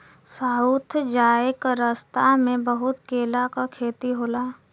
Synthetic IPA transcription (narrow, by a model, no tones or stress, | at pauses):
saːut̪ʰd͡ʒaːekɾəst̪amẽbəɦʊt̪keːlakakʰeːt̪iɦoːlaː